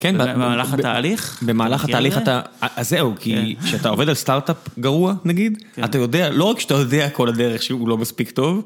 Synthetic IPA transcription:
kenblaχtaːliχbe̞maːlaχat̪aːliχat̪aʔazeukʰiʃeat̪ao̞vedalst̪aʁt̪apɡaʁuanaɡid̪atajo̞dealo̞ʁakʃat̪ajo̞deako̞lad̪eʁeχʃeulo̞maspikto̞v

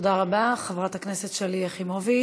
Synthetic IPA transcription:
odaʁabaχevʁat̪haknesetʃeliaχimovi

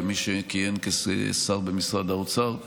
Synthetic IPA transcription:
miʃekijemkessaʁbemisʁad̪aut͡saʁ

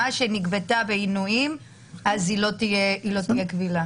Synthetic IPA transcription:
aʃeniɡvet̪abeinuim | azilo̞t̪ijeilo̞t̪ijekvila

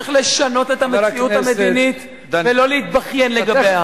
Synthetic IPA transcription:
iχle̞ʃano̞te̞thameiʔuamedinit̪ | velo̞leit̪baχje̞nleɡaea

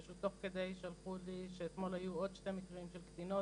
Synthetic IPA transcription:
ʃut̪o̞χked̪ejʃalχuliʃeːt̪mo̞lhajuʔod̪ʃtemikʁimʃelkd̪ino

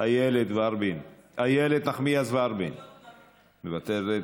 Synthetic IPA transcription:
ajeled̪vaɾbinajeled̪naχmiazvaɾbin | mevat̪eɾe

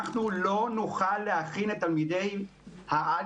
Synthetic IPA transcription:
χnulo̞nuχalːehaχinet̪almid̪e̞jhaʔa

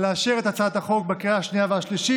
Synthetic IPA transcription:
leaʃeʁet̪at͡sat̪haχo̞k̚bakiahaʃnijaveaʃliʃi

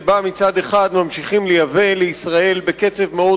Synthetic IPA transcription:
bamit͡sad̪eχad̪mamʃiχimlejave̞leisʁae̞lbeke̞t͡se̞vmeo

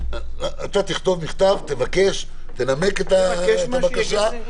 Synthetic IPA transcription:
at̪at̪iχt̪o̞vmiχt̪avt̪evake̞ʃ | t̪ename̞ket̪avakaʃa

